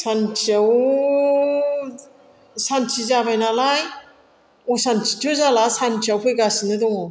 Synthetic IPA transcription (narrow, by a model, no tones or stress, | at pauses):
sant͡ʃaw | sant͡ʃʰizabajnalaj | osant͡ʃʰi̥tʰuzalasant͡ʃʰiawpʰɯjɡasinɯdɔŋɔ